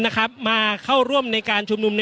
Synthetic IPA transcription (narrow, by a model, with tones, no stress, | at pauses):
na˦˥kʰa˦˥p̚maː˧kʰa˥˩wɾu˥˩əmna˧jkaː˧nt͡ɕʰu˧mnu˧mna˦